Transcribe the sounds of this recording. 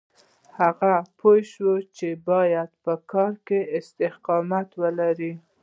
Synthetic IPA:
haɣapʰojʃwət͡ʃebɑjad̪̚pəkɑɾkeɪst̪ɪhqɑmat̪wəlaɾi

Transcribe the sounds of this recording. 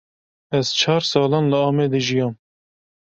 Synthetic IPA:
ɛz̥t͡ʃʰɑːɾsɑːlɑːnləɑːmeːd̪əʒijɑːm

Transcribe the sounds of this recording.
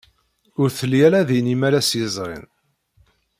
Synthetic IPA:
ʊɾθəlːijælæðinimælæsjəzˤʁḭn

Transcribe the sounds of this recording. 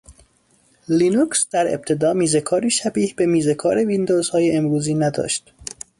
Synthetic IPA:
linuksd̪̥æɾḛb̥̚t̪ʰe̞d̪ɒːmiːzekʰɒːɾiːʃæbiːhbe̞miːzekʰɒːɾevind̪oːz̥hɒːjeemɾuːziːnæd̪ɒ̰ːʃt̪

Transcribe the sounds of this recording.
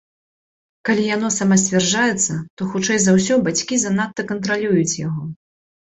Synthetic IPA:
kalʲijanɔsamasʲt͡sʲvʲɛrd͡ʐajɛt̪sːɐt̪ɔxut͡ʂɛjzawsʲɔbat͡sʲkʲizɐnat̪ːɐkɐnt̪ɾalʲujut͡sʲjaɣɔ

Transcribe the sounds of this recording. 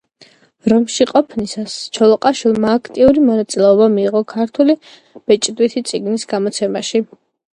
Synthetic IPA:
ɾɔmʃiqʼɔpʰnisast͡ʃʰɔlˠɔqʼaʃwilˠmaːkʰt̪ʼiuɾimɔnat̪sʼilɛɔbamiːʁɔkʰaɾt̪ʰuli | b̥ɛt͡ʃʼd̪wit̪ʰit̪sʼiɡnisɡamɔt̪sʰɛmaʃi

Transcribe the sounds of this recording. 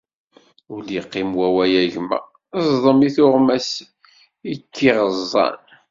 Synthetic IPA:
uliqːimwæwæjæʝmæ̰ | zˤðˤəmiθʊʁmæs | ikʰːiʁəzˤːɑ̰n

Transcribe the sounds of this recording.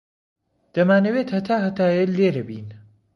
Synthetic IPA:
d̪̥ɐmaːnɐweːt̪hɐt̪ʰaːɦɐt̪aːjeleːɾɐbiːn

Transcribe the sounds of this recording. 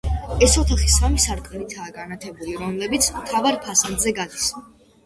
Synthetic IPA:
ɛsɔt̪ʰaχisamisaɾt̪ʼɛlit̪ʰaːɡanat̪ʰɛbuliɾɔmlɛbit̪sʰmt̪ʰavaɾpʰasand̪zɛɡad̪is

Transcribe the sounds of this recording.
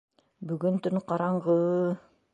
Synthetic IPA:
bɵɡɵnt̪ɵnqɑɾɑɴʁɤ

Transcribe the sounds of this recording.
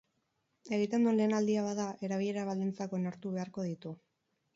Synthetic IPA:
e̞ɣit̪e̞nd̪uenle̞ːnald̪iaβaðaʔe̞ɾaβiʎe̞ɾaβald̪int͡sako̞naɾt̪uβ̞e̞aɾko̞ð̞it̪u

